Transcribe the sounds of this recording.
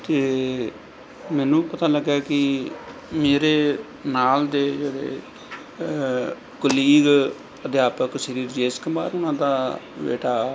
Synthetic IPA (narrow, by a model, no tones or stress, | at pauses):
t̪eː | mɛːnũːpət̪aːləɡːaːkɪ | meːɾeː | naːld̪eːd͡ʒeɽḛː | kəliːɡ | əd̪jaːpəkʃəɾiːɾd͡ʒeːskəmaːɾʊnãːd̪aːbḛːʈaː